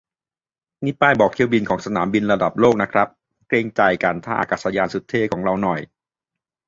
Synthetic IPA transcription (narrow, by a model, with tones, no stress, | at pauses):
ni˦˥paː˧˩jbɔː˨˩k̪̚ʰi˥˩əwbi˧nkʰɔː˩˦ŋsa˧naː˩˦mbi˧nɾa˧da˨˩p̚loː˥˩k̚na˦˥kʰɾa˦˥p̚ | kɾeː˧ŋt͡ɕa˨˩jka˧nt̪ʰaː˥˩ʔa̰˧˩kaː˨˩sa˧jaː˧nsu˨˦˥t̪ʰːeː˦˥˩kʰɔː˩˦ŋɾa˧wnɔ˨˩j